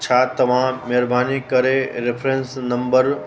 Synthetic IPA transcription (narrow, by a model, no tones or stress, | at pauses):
t͡ʃʰaːt̪ɐʋ̤ãmeɾbʱaːnikɐɾeɾepʰɾensnɐmbəɾ